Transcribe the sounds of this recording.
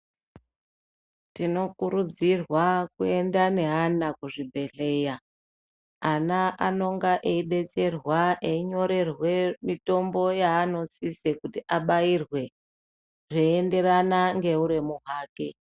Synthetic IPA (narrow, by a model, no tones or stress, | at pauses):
tino̞kuɾud͡zirwakue̞ndane̞ɦanakuʐibʱe̞ɬe̞ːja | anaʔano̞ŋɡaʔeiɓe̞t͡se̞rwaʔeiɲo̞ɾe̞rwe̞mito̞mbo̞jaːno̞sisekutiʔaɓairwe̞ | ʐeːnde̞ɾanaŋɡe̞uɾemuɦaːke